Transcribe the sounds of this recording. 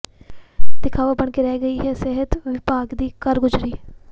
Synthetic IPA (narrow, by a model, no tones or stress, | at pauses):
d̪ɪkʰaːʋaːbəɳkeːɾɛːɡəiːɦɛːsɛɦət̪ʋɪpaːɡd̪iːkəɾɡʊzɾiː